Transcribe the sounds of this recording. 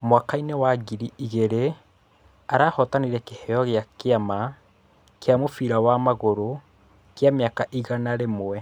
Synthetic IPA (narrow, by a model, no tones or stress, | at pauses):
mwakainewaɡiɾiiɣeɾe | aɾaːhɔtaniɾɛkehɛjɔɣeakeama | keamofiɾawamaɣoɾo | kjameakaʔiɣanaɾemwɛ